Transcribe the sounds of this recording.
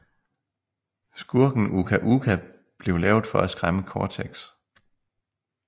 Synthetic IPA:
sɡ̥uɐ̰ɡ̥n̩ukʰæʔukʰæ | b̥le̝ʊlɛːʊd̩ˠfɒ̽æsɡ̥ʁaməkʰɒːt͡sʰeɡ̥s

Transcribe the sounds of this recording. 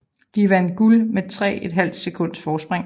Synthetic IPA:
d̥iʋænɡ̥ulmet͡sʰʁɛ̰ːe̝d̥ɦæl̰d̥sekʰɔ̽n̰d̥sfɒːsb̥ʁaŋ

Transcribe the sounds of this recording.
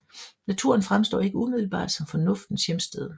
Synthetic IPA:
næt͡sʰṵɐnfʁamsd̥ɔ̰ːe̝ɡ̥əumið̞ˠl̩b̥ɑ̰̈ːd̥sɒ̽mfɒ̽nɔ̽fd̥n̩sjemsd̥eð̞ˠ

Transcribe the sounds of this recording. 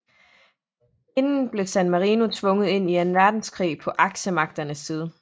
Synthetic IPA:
enn̩b̥le̝sænmɑʁiːnut͡sʰʋɔ̽ŋəð̩ˠe̝n̰ienʋæɐd̥n̩skʰʁḭːpʰɒ̽ʔɑ̈ɡ̥ɕəmɑ̈ɡ̥̚d̥ɐnəsːiːð̞ˠə

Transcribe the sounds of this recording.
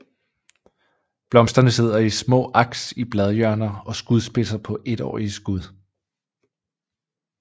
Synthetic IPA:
b̥lɒ̽msd̥ɐnəse̝ð̞̰ˠɐismɔ̰̽ːʔɑ̈ɡ̥sib̥lɛð̞ˠjœɐnɐɒ̽sɡ̥uð̞ˠsb̥e̝sɐpʰɒ̽ʔe̝d̥ɒ̰ːiəsɡ̥uð̞ˠ

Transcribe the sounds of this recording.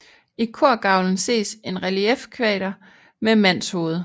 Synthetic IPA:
ikʰoɐ̰ɡ̥ɑ̈ʊln̩se̝̰ːse̝nʁæliefkʰʋɛ̰ːɾ̥ɐ | memæn̰sho̝ːð̞̩ˠə

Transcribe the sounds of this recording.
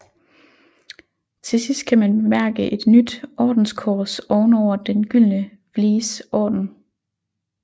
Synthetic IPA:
t͡sʰe̝sisd̥̚kʰæmænmæɐɡ̥əʔe̝d̥nyd̥ʔɒːd̥n̩skʰɒːsɒʊnɒʊ̰ɐd̥enɡ̥yl̰nə | ʋliːsɒ̰ːd̥n̩

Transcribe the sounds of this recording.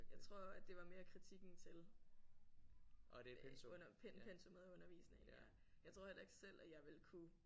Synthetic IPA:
jɑ̈ɪt͡sʰʁo̝ɐ̰æd̥e̝ʋɑ̈me̝ːɐkʰʁit͡sʰiɡ̥n̩t͡sʰe̝l | deɔnɐpʰenpʰensomeðˠɔ̽nɐʋḭːsn̩ḛlæɐ | jɑt͡sʰo̝ɐ̰helɐe̝ɡ̥sel̰æjɑ̈ɪʋe̝lkʰu

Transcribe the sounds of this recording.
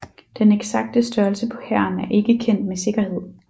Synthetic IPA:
d̥eneɡ̥sɑ̈ɡ̥̚d̥əsd̥ɶɐlsəpʰɒ̽hæɐnæɐʔe̝ɡ̥əkʰen̰d̥mese̝ɡ̥ɐhe̝ð̰ˠ

